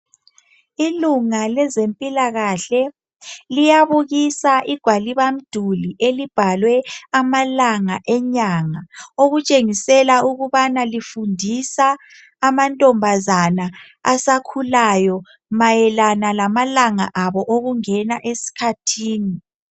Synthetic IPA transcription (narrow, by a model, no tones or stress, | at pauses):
iluŋalɛzempʼilaɣaɬɛ | lijaβuɣisaʔiɡ̥ʱwaliβam̩d̥ʱuliʔelib̥ʱalwɛamalaŋaʔɛɲaŋaoɣut͡ʃʼeŋisɛlauɣuβanalifundʱisaː | mantʼɔmbʱazana | asakʰulajɔ | majɛlanalamalaŋa̰ʔaβɔʔoɣuŋɛnaʔesi̥kʰatʰiːni